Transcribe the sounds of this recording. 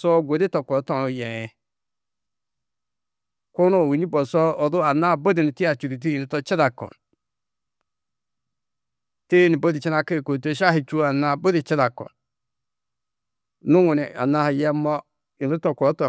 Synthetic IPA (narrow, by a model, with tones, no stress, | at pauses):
so˦ɡʷo˨di˦to˨ko˨˦to˦˨no˨jɛ˨ɛ˨ | ko˦no˦˨wi˨ni˦bo˨sɔ˦o˨du˦a˨na˦˨bo˦di˨ni˨ti˦a˨t͡ʃu˨ɾi˨t̬i˦i˨i˨tɔ˦t͡ʃi˦ɾa˨kɔ̰˨n | te˦ni˨bo˦di˨t͡ʃi˦na˦˨ke˦˨ko˨t̬o˦˨ʃa˦hi˨t͡ʃu˦a˨na˨bo˦di˨t͡ʃi˦ɾa˨kɔ̰˨n | nu˦ŋu˨ni˨a̰˨na˦ha˨jɛ˦mɔ˦ | i˨ni˦to˨ko˨˦tɔ˨